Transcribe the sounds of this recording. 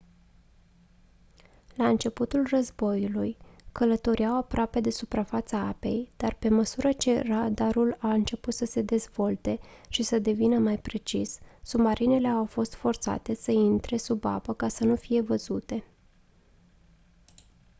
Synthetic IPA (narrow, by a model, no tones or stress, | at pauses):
laɨnt͡ʃe̞put̪ulrəzbo̞julujkələt̪o̞ɾiawapɾoʔape̞d̪e̞supɾafat̪saape̞jd̪̥arpe̞məsuɾət͡ʃeɾad̪aɾulaɨnt͡ʃe̞put̪səse̞d̪e̞zv̥o̞lt̪e̞ʃisəd̪e̞vinəmajpɾe̞t͡ʃisːumaɾine̞le̞awfo̞st̪fo̞rt̪sa̰t̪e̞səint̪ɾe̞suba̰pəkasənufije̞vəzut̪e̞